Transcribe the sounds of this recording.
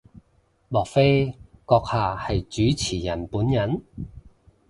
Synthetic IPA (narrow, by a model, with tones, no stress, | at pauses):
mɔː˨k̚fe˥kɔː˧k̚haː˨˧hɐ˨jt͡ʃyː˨˥t͡sʰiː˨˩jɐ˨˩npuː˨˥njɐ˨˥n